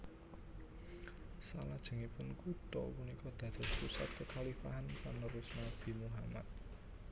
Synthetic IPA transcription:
salad̥ʒ̥ə̤ŋipʊnkut̪ɔ̰wunikɔd̪̥ä̤d̪̥ɔ̤spusat̪̚kəkʰalifaɦanpanːəɾusnab̥i̤muɦama̰t̪̚

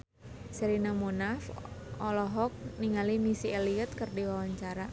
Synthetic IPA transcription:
səɾinamonafʔɔlɔɦɔk̚niŋalimisieliət̪̚kərdiwawaɲt͡ʃaɾa

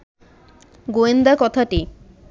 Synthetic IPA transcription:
ɡoend̪akɔt̪ʰaʈi

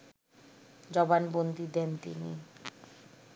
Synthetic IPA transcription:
d͡ʑɔbanbond̪id̪ɛnt̪ḭnḭ

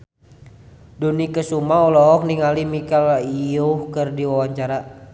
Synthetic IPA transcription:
dunikəsumaɔlɔɦɔk̚niŋalimikaliohkɨrdiwawaɲt͡ʃaɾa

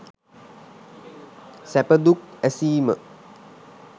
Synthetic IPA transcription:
sæpəd̪uk̚ɛsiːmə̰

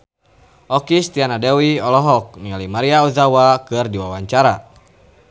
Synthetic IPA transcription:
ʔɔkist̪ianadɛwiɔlɔɦɔk̚nialimaɾiauzawakɨrdiwawaɲt͡ʃaɾa

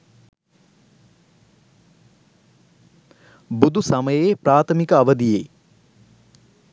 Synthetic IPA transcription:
bud̪ʱusaməjepɾaːt̪ʰəmikəɐʋəd̪ijḛ

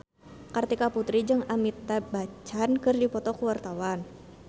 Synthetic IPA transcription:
kart̪ikaput̪ɾid͡ʒɨŋamit̪ːabat͡ʃankɨrdipɔt̪ɔkuwart̪awan

